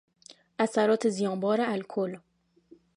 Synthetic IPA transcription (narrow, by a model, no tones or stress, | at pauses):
ʔæsæɾɔːt̪ʰezijɑ̃ːbɒːɾaælkʰol